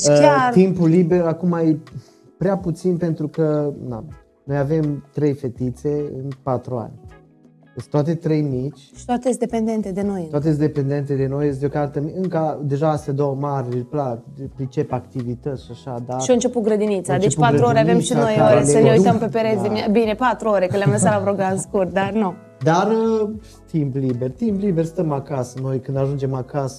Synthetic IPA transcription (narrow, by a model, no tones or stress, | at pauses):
kart̪impuliberakumaje | pɾeaput̪sinpe̞nt̪ɾukəna̰ | no̞jave̞mt̪ɾe̞jfe̞t̪it̪se̞ɨ̰npat̪ɾua̰nʲ | est̪oat̪e̞t̪ɾe̞jmit͡ʃʲʃi̥t̪at̪eesd̪epend̪ent̪ed̪e̞no̞j̪at̪ees̬d̪epe̞nd̪e̞nt̪ed̪e̞no̞jes̬d̪ʲokart̪əmiɨŋkəad̪e̞ʒaasad̪o̞wəmaɾʲeplapɾit͡ʃe̞pakt̪ivit̪ət̪sʃaʃad̪aɾʃioɨnt͡ʃe̞put̪̚ɡɾəd̪init̪sad̪et͡ʃupat̪ɾuoɾeavvemʃino̞joɾesəneuj̪əmpepeɾet̪d̪imiabine̞pat̪ɾuoɾe̞kɨnleamlesalavɾoɡanskurt̪̚d̪arnu | d̪arə | t̪impliberʲt̪impliberʲst̪əmakasəno̞jkɨnd̪aʒund͡ʒe̞makasə̥